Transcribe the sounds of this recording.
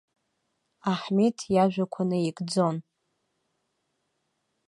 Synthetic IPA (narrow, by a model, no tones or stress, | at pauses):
aħmitʰjaʒᶣʷakʷʰanɨikʼd͡zon